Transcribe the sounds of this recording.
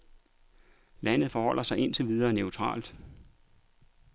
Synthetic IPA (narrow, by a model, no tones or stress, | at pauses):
læn̰əð̞̩ˠfɒhɒ̽l̰ɐsɑ̈ɪʔe̝n̰t͡sʰe̝ʋið̞ˠɐːneʊt͡sʰʁɑ̰̈ːld̥